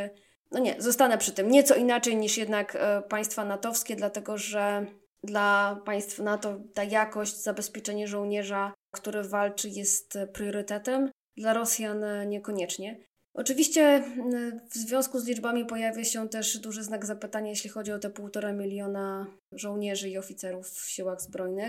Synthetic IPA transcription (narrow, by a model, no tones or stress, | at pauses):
nɔɲɛzɔst̪anɛpʂɘt̪ɘmɲɛt̪sɔinat͡ʂɛjɲiʂjɛd̪nakpaj̃st̪fanat̪ɔfskʲɛd̪lat̪ɛɡɔʐɛ | d̪lapaj̃st̪fanat̪ɔt̪ajakɔɕt͡ɕzabɛspʲjɛt͡ʂɛɲɛʐɔwɲɛʐakt̪uɾɛvalt͡ʂɘjɛst̪pɾjɔɾɘt̪ɛt̪ɛm | d̪laɾɔsʲjanɲɛkɔɲɛt͡ʂɲɛ | ʔɔ̰t͡ʂɘvʲiɕt͡ɕɛ | vzvʲjɔ̃w̃skuzlʲid͡ʐbamʲipɔjavʲjaɕɛt̪ɛʂd̪uʐɘznaɡzapɘt̪aɲajeɕlʲixɔd͡ʑiɔt̪ɛpuwt̪ɔɾamʲilʲjɔna | ʐɔwɲɛʐɘiɔfʲit̪sɛɾufːɕiwaɣzbɾɔjnɘx